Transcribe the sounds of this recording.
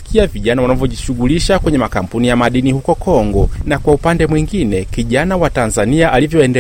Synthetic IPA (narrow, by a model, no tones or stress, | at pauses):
kʰiaviʄanawanavjɔʄiʃuɡuliʃakwɛɲɛmakam̩punijamaɗinihukɔkɔŋɡɔnakwaupandɛmwiŋɡinɛkiʄanawatanzaniaʔalivjɔɛndɛ